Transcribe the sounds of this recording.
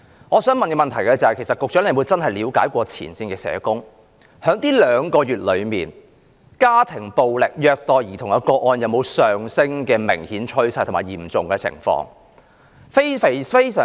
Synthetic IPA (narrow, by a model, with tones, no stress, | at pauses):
ŋɔː˨˧sœː˨˥ŋmɐ˨nkɛː˧mɐ˨nt̪ʰɐ˨˩jkɛ˧t͡sɐ˨˧hɐ˨jkʰe˨˩jsɐ˨t̚kʊ˨k̚t͡ʃœː˨˥ne˧mwu˨˧jt͡sɐ˥nɦɐ˨jliː˨˧wkaː˨˥jkʷɔː˧t͡sʰḭː˨˩nsiː˧nkɛː˧sɛ̰ː˨˧kʊ˥ŋ | hœː˨˥ŋt̪iː˥lœː˨˧ŋkɔː˧ɥyː˨t̚lɵ˨˧ɥmiː˨n | kaː˥t̪ʰɪ˨˩ŋpo˨wlɪ˨k̚jœː˧k̚t̪ɔː˨jiː˨t̪ʰʊ˨˩jɐ˨˧wkɔː˧ʔɔː˧njɐ˨˧wmo˨˧wsœː˨ŋsɪ˥ŋkɛː˧mɪ̰˨˩ŋhiː˨˥nt͡ʃʰɵ˥ɥsɐ˧jt̪ʰʊ˨˩maː˨˩jiː˨˩mt͡sʊ˨ŋkɛ˧t͡sʰɪ̰˨˩ŋfɔ̰ː˧ŋ | fe˥jfe˨fe˥jsœ̰ː˨